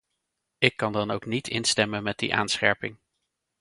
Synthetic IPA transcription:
ɪkːɑndɑnowknitʰɪnstɛmənmɛd̚dḭʔa̰ːnsχɛ̰ɹpɪŋ

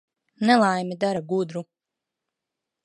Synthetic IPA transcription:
nɛlˠajmid̪aɾaɡud̪ɾu

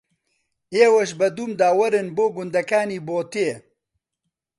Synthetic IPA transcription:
eːwɐʃ̬bɐd̪uːmd̪aːwɐɾɪnboːɡʊnd̪ɐkaːniːboːt̪eː

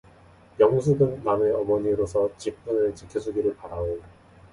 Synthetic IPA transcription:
jʌŋs̬ʰuɡɯnːaneʌmʌɲiɾosʰʌt͡ɕip͈̚ːunɯɭt͡ɕikʰisʰuɡiɾɯɭpaɾao

